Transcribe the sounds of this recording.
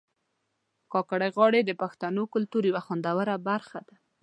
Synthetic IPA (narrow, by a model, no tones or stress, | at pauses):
kɑkaɽajɣɑɽed̪əpaxt̪anokʊlt̪uɾiwaxand̪awəɾabaɾxad̪a